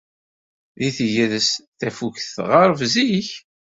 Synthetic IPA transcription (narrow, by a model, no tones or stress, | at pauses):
ðiθiʝæðəsθæfuçθʁɑɾˤvziç